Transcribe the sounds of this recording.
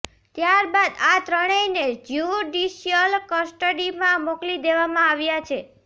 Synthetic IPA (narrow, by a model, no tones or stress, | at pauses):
t̪jaɾbad̪at̪ɾəɽ̃əined͡ʒjuɖiʃiəlkəsʈəɖimãmoklid̪eʋamãaʋjat͡ʃʰe